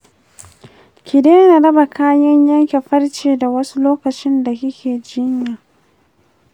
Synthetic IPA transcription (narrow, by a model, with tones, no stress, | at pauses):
kʲɪ˨deː˦na˨ɽɐ˦ba˨kʰaː˦jɐ˦ɲjɐ˦ŋkʲe˨ɸɐ˦rt͡ʃeː˨da˨wɐ˦su˦loː˦kɐ˨t͡ʃɪ˦nda˨hɪ˦kʲʰeː˨d͡ʒɪ˦ɲjaː˨